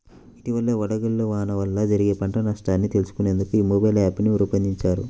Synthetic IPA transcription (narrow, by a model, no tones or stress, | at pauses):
it̪iʋɐlːeʋɐɽɐɡɐlːuʋaːnɐʋɐlːɐd͡ʒɐɾiɡeːpɐɳʈɐnɐʂʈaːnːit̪e̞lusu̥kune̞ːnd̪ukuiːmobɐjlaːpuniuɾupɐnd̪iɲt͡ʃaːɾu